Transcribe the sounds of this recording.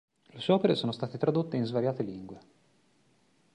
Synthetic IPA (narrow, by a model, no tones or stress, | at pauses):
leʃɔːpeɾesoːnost̪aːt̪et̪ɾad̪ot̪ːeinzvaɾjaːt̪eliŋɡwe